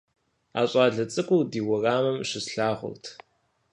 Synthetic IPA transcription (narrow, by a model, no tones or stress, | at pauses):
a̰ːɕʷʼɑːɮɐt͡sʼɨkʷʼʊdiːwɔraːmɐmʃɪsɬaːχʷʊ̰rtʰ